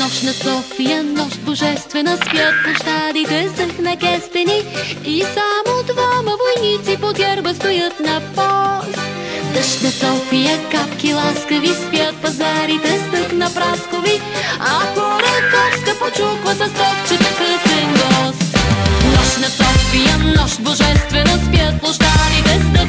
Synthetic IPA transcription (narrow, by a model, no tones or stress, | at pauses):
nɔʃnɐsɔfijənɔʃboʒɛst̪vɛnəspjət̪̚poʃt̪ad̪it̪ɛɛst̪əxnɐkɛst̪ɛniisamod̪vamɐvojnit̪sipod̪ʲɛɾbəst̪ojət̪nɐpɔst̪ | d̪əʃnɐsɔfijəkapkilˠaskɐvispjət̪̚pɐzaɾit̪ɛst̪əxnɐpɾaskovi | ɐkoɾɐk̪ɔfskɐpot͡ʃukvɐsɐst̪ɔft͡ʃɛt̪ɐkəsɛnɡɔsnɔʃnɐt̪sɔfijənɔʃboʒɛst̪vɛnospjət̪̚plˠoʃt̪aɾit̪ɛst̪ə